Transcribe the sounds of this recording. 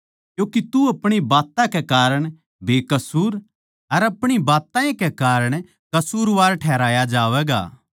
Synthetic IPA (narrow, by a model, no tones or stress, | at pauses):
kjõːkit̪uɐpɽ̃ibaːt̪ãkɛkaːɾəɽ̃ | beːkɐsuːɾ | ɐɾɐpɽ̃ibaːt̪ãẽkɛkaːɾəɽ̃ | kɐsuːɾʋaːɾʈʰɛːɾaːjad͡ʒaːʋɛːɡa̰ː